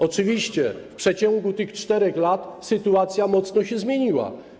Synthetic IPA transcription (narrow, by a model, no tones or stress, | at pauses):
ɔt͡ʂɨvʲiɕt͡ɕɛfpʂɛt͡ɕɔ̃ŋɡut̪ɘxt͡ʂt̪ɛɾɛxlat̪sɘt̪uat̪sʲjamɔt̪snɔɕɛzmʲjeɲiwa̰